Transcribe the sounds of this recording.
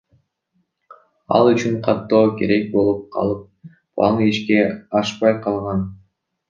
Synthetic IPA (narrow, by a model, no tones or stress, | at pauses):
ɑ̰lˠyt͡ʃyɴqʰɑt̪ːo̞ːke̞ɾe̞k̚bo̞lˠup̚qʰɑ̰lˠɯp̚ | ɑ̰nɯiʃke̞ɑʃpɑjqʰɑlˠʁɑn